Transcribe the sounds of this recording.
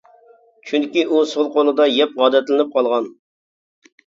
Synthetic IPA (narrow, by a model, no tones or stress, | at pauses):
t͡ʃʰyŋkʲiʔusolˠqʰolˠɨd̪ɑjɛp̚ʁɑːd̪ɛt̪lɪnɪp̚qʰɑlˠʁɑn